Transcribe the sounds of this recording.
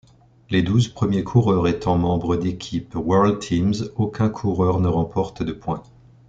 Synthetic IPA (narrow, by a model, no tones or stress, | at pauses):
led̪uzpχəmjekʰuʁœʁet̪ɑ̃mɑ̃bʁəd̪ekʲʰipwɛʁlt̪ʰimzokʲɛ̃kʰuʁœʁnəʁɑ̃pʰɔʁt̪d̪əpwɛ̃